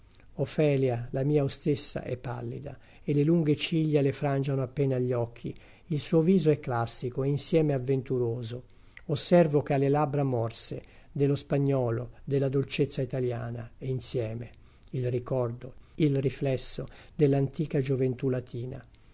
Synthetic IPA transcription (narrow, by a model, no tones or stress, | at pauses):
ofɛːljalamiːaost̪esːa̰ʔɛ̰pːa̰lːḭd̪a̰ | elːeluŋɡet͡ʃiʎːalefɾand͡ʒanoapːeːnaʎːɔkʰːḭ | ilsuːoviːzoɛkːlasːikoeinsjɛːmeavːent̪uɾoːzo | osːɛrvok̟ealːelabɾamɔrse | d̪elːospaɲːɔːlod̪elːad̪olt͡ʃet̪sːait̪aljaːnaeinsjɛːme | ilrikɔrd̪oilriflɛsːod̪elːant̪iːkad͡ʒovent̪ulat̪ʰiːna̰